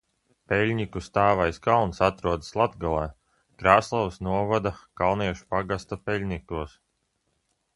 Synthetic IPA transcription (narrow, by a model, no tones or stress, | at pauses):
pɛlʲɲikust̪aːvajskalˠnsat̪ɾuɔd̪slˠat̪ɡalˠɛː | kɾaːslˠɔwsnuɔvad̪akalˠniɛʃu̥paɡast̪apɛlʲnʲikuɔs